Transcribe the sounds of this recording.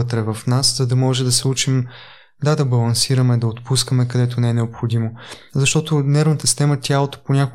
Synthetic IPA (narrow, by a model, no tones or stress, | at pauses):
ət̪ɾɛvɐfnaszɐd̪ɐmɔʒɛd̪ɐsɛut͡ʃim | d̪ad̪ɐbɐlˠɐnsiɾɐmɛd̪ɐot̪puskəmɛkɐd̪ɛt̪̬onɛɛnɛopxod̪imozɐʃt̪ɔt̪onɛɾvnət̪əsi̥st̪ɛmət̪ʲjalˠot̪o̥ponʲako